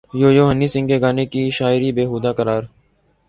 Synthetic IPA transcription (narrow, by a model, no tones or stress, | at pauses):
joːjoːɦənːiːsɪ̃ŋkeːɡaːnekiːʃaːɪɾiːbeːɦuːd̪aːkəɾaːɾ